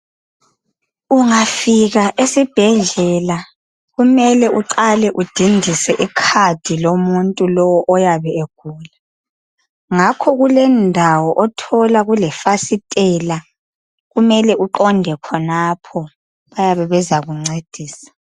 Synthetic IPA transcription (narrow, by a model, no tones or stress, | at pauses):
uŋafiɣaʔesib̥ʱɛɮɛla | ɣumɛlɛʔuǃalɛʔud̥ʱindʱisɛʔikʰad̥ʱilomuntʼulɔwɔʔɔjaβɛeɡ̥ʱuːla | ŋakʰɔɣulɛndʱawɔʔɔtʰɔlaɣulɛfasitʼɛla | ɣumɛlɛuǃɔndʱɛkʰɔnapʰɔ | βajaβɛβɛzaɣuŋ͡ǀed̥ʱiːsḁ